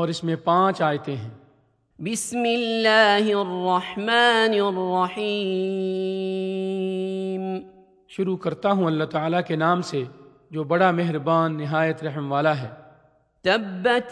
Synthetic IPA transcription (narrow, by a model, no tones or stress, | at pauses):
ɔːɾɪsmẽpãːt͡ʃaːjt̪eɦɛ̃ː | bɪsmɪlːaːɦrːɑħmaːnrːɑħiː | m | ʃʊɾukɐɾt̪aɦũɐlːat̪aːlakenaːmse | d͡ʒoːbɐɽameɦɾbaːnːɪɦaːjət̪ɾɐɦmʋaːlaɦɛː | t̪ɐbːat̪